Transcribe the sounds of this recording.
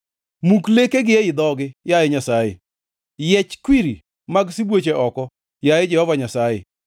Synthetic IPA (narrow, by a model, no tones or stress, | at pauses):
muklekeɡɪɛɪd̪ɔɡɪjajɪɲasajḛ | jɛt͡ʃkwiɾi | maɡsibwot͡ʃeʔɔkɔ | jajɪd͡ʒɛhɔvaɲasajḛ